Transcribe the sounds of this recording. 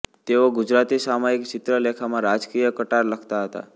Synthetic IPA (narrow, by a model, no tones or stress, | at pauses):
t̪eoɡud͡ʒɾat̪isamaikt͡ʃɪt̪ɾəlekʰamãɾad͡ʒkijəkəʈaɾləkʰt̪aɦət̪a̰